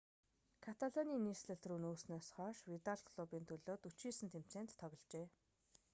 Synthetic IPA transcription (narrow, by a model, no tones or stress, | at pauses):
kʰat̪ʰaɮɔniːniːsɮə̆ɬt̪ruːnoːsnɔːsχɔːʃwit̪aɮkʰɔɮupiːnt̪ʰɵɮoːt̪ut͡ɕiːsɘ̆nt̪ʰem̥t͡seːnt̪ːʰɔɣʲɞ̆ɮt͡ɕeː